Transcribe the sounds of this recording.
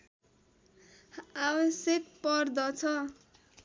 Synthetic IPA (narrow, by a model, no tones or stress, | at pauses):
awʌsjek̚pʌrd̪ʌt͡sʰʌ